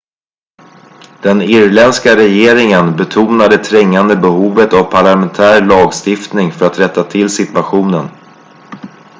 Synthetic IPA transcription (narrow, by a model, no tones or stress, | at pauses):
d̪̥ɛnɪɾlɛnskaɾɛjeːɾɪŋənbɛt̪ʰuːnad̪ət̪ʰɾɛŋːand̪əbɛhuːvət̪avpʰaɭamɛnt̪ʰæːɾɭɑːɡst̪ɪft̪nɪŋfœɾat̪ɾɛt̪ːat̪ʰɪlsɪt̪vaɧuːnən